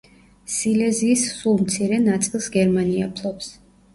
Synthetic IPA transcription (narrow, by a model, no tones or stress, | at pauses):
silɛziːsːulˠmt̪sʰiɾɛnat̪sʼilˠsɡɛɾmania̰pʰlˠɔps